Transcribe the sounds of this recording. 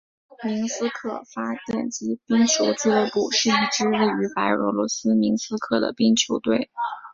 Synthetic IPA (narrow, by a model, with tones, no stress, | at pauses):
mi˧˥ŋsɹ̩˥kʰɤ˥˩fa˥t̪jɛ̰˨˩nt͡ɕi˥pi˥ŋt͡ɕʰjo˧˥ʊt͡sɹ̩˥˧ə˥˧pu˥˩ʂɻ̩˥˧i˥˩ʈ͡ʂɻ̩˥we˥˩ɪy˧˥pa˧˥ɪɔ̰˧˥lwɔ˧˥sɹ̩˥mi˧˥nsɹ̩˥kʰɤ˥˩d̪ə̰˩pi˥ŋt͡ɕʰjo˧˥ʊt̪we˥˩ɪ